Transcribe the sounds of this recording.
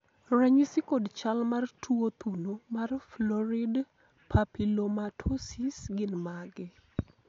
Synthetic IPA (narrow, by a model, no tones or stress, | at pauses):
raɲisikodt͡ʃalmartʰuot̪unomarflɔɾɪd | pʰapilomatʰosisɡɪnmaɡɪ